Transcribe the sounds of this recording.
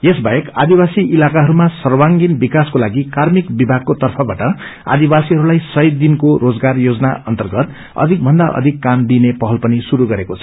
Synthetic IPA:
jesbajekad̪ibasiʔilakaɦʌɾumasʌrwaŋɡinbikaskolaɡikarmikbibʱaɡ̚kot̪ʌrpʰʌbaʈʌ | a̰d̪ibasiɦʌɾulajsʌjd̪inkoɾod͡zɡarjod͡zʌnaʔʌnt̪ʌrɡʌt̪ | ʌ̰d̪ʱik̚bʱʌnd̪aʔʌ̰d̪ʱikːamd̪inepʌɦʌlpʌnisuɾuɡʌɾekot͡sʰʌ

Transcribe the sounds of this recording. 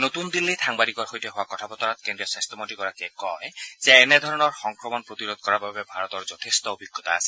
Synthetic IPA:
not̪und̪ilːitʰaŋbaɾikɔɹxojtɛɦowakɔt̪ʰabɔt̪ɔɹat̪kendɹijɔsastɔmotikɔɹakɛkɔɛz̥ɛːnɛd̪ʱɔɹɔnɔɹxɔŋkɹɔmɔnpɹot̪iɹod̪̚kɔɹababɛbʱaɹɔt̪ɔɹzɔt̪ʰest̪ɔobʱiɡʱːɔt̪a̰ːsɛ̥

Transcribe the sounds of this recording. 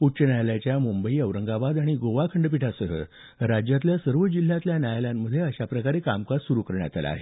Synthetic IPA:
ut͡ɕənajljat͡ɕjamumbəiːəʋɾəŋɡabad̪aɽ̃iɡoʋakʰəɳɖp̬iʈʰasəɦə̰ | ɾad͡ʑjat̪̬ljasəɾʋəd͡ʑil̤ːjat̪ljanjajljamːəd̪ʱːjeəɕapɾəkaɾekamkasuɾukəɾɳja̰t̪ʰa̰l̰a̰ɦe

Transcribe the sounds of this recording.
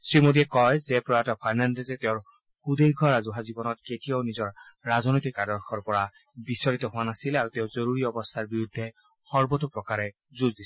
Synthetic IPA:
sɹimodiɛkɔjzɛpɹɔjatɔpʰajnandɛzɛteʊɹ | xud̪ejɡʱɔɹazuɦazibɔnɔt̚ketijaʊnizɔɹːaznojtikːadɔɹxʰɔɹpɔɹa | bisɔɹit̪ɔɦʊwanasilaɹuteʊzoɹuɹiɔbɔst̪ʰaɹbiɹud̪ʱːɛ | xɔɹbɔtupɹɔkaɹɛ | zuzdis

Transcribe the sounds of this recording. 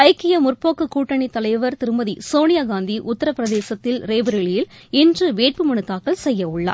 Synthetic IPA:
ɐɪkːɪjɐmʊrpoːkːɯkuːʈːɐɳit̪ːɐlɐɪʋɐɾt̪ɪɾɯmɐðisoːnɪjaːɡaːnd̪iʔʊt̪ːɐɾɐpːɪɾɐðeːsɐt̪ːɪlɾeːbɐɾɛɭɪjɪl | ɪndrɯʋeːʈ̚pɯmɐɳɯt̪ːaːkːɐɭsɛjːɐʊɭːɐ̰ː

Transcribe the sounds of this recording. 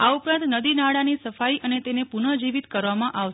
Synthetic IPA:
aupɾãnt̪nəd̪inaɽanisəfaiʔənet̪enepunəd͡ʒiʋit̪kəɾʋamãʔaʋʃ

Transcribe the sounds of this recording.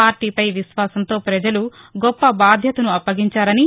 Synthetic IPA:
aːɾʈiːpɐjʋiʃʋaːsɐnt̪o̞ːpɾɐd͡ʒɐlu | ɡɔpːɐbaːd̪ʱjɐt̪ɐnuɐpːɐɡiɲt͡ʃaːɾɐni

